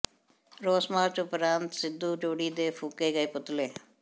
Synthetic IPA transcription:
ɾoːsmaːɾt͡ʃupɾaːnt̪sid̪ːud͡ʒoːɽiːd̪eːfʰukːeːɡɐjput̪leː

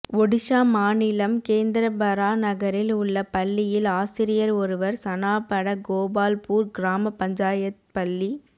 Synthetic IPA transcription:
ɔɽɪʂaːmaːnɪlɐmkeːnd̪ɪɾɐbɐɾaːnɐɣɐɾɪlʊɭːɐpɐlːɪjɪlaːsɪɾɪjɐɾɔɾɯʋɐɾsɐnaːpɐɽɐɡoːbaːlpuːɾɡɪɾaːmɐpɐɲd͡ʒaːjɐt̪̚pɐlːi

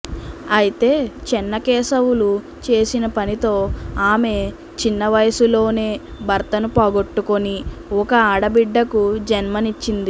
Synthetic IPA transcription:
ɐjit̪e̞ːt͡ʃɛnːɐkɛːsɐwulu | t͡ʃe̞ːsinɐpɐnit̪o̞ːaːme̞ | t͡ʃinːɐʋɐjɐsulo̞ːne̞ːbɐɾt̪ɐnupɔːɡo̞ʈːukoniɔkɐaːɽɐbiɖːɐkud͡ʒɐnmɐnit͡ʃːind̪i

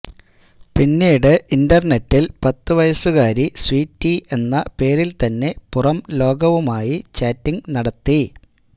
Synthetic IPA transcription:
pinːiːɽɨʔindɐrnetːilpɐt̪ːɨʋɐjɐsuɣaːɾiswiːtːie̞nːɐpe̞ːɾilt̪ɐnːe̞purɐmlo̞ːɡɐʋumaːjit͡ɕaːtːiŋɡnɐɽɐt̪ːi

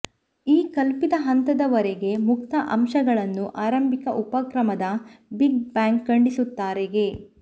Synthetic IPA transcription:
iːkɐlpid̪ɐɦɐnt̪ɐd̪ɐʋɐɾɛɡe̞mukt̪ɐʔɐmʃɐɡɐɭɐnːuʔaːɾɐmbʱikɐʔupɐkɾɐmɐd̪ɐbiɡ̚baːŋkːɐɳɖisut̪ːaːɾeɡe̞

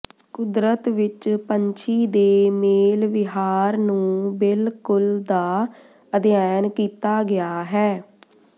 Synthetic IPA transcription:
kʊd̪ɾət̪ʋɪt͡ʃpəɲt͡ʃʰiːd̪eːmeːlʋɪɦaːɾnũːbɪlkʊld̪aː | əd̪ijaːnkiːt̪aːɡɪaːɦɛː

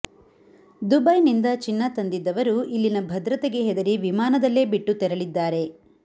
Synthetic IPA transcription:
d̪ubɐjnind̪ɐt͡ʃinːɐt̪ɐnd̪id̪ːɐʋɐɾuʔilːinɐbʱɐd̪ɾɐt̪eɡe̞ɦɛd̪ɐɾiʋimaːnɐd̪ɐlːe̞ːbiʈːut̪ɛɾɐɭid̪ːaːɾe̞

